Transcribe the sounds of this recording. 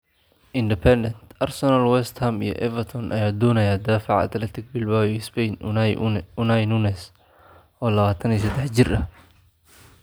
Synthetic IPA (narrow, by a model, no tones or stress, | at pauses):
ʔɪnd̪ɪpʰɛnd̪ɛnt̪ʔɐrsɛnɐlwɛst̪hɐmḭjɔ̰ʔɛvɐrt̪ʰɔnʔɐ̰jaːd̪ɔːnɐjaːd̪aːfɑʕɐ̰t̪ʰlɐt̪ʰɪɡ̚bɪlbawspɛjn | ʊnajnunɛs | ʔɔːlɐβaːt̪ʰɐniːsɐd̪ɛħt͡ʃɪrʔɐh